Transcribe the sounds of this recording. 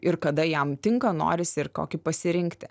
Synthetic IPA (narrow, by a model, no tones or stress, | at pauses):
ɪrkɐd̪ɐjɛmt̪ʲɪŋkɐno̰ːɾʲɪsʲɪɾkoːkʲɪpɐsʲɪɾʲɪŋkt̪ʲɪ